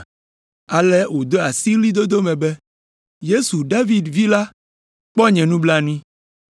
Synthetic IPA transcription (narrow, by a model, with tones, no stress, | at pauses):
a˨lɛ˦wo˨d̪o˦a˨si˦li˦d̪o˦d̪o˦mɛ̃˨bɛ˦ | je˦su˨ɖa˦vi˨dvi˦la˦ | k͡pɔ˦ɲɛ̃˨nũ˦bla˦nũ˦ĩ˦